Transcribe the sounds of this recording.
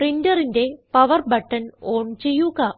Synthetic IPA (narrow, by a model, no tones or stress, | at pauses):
ʈrindɐrinde̞pɐʋɐrbɐʈːɐnoːɳt͡ɕe̞jːuɣɐ